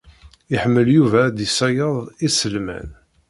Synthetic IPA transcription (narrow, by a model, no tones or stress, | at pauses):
iħəmːəljuvæd̪isæjəðˤisəlmæ̰n